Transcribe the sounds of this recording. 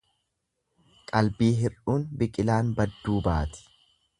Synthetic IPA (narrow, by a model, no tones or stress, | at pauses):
kʼɐlbiːɦɪruːnbɪkʼɪlaːnbɐd̪ːuːbaːt̪ɪ̥